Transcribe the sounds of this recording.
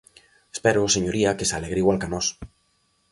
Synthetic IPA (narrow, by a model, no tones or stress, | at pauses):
espɛɾʊseɲoɾiɐkesalɛɣɾiɣwalkanɔs